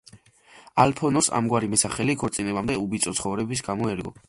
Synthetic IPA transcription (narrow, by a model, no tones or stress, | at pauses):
alpʰɔnɔsa̰mɡwaɾimɛsaχɛlikʰɔɾt̪sʼinɛbamd̪ɛubit̪sʼɔt̪sχɔvɾɛbis̬ɡamɔɛɾɡɔ̰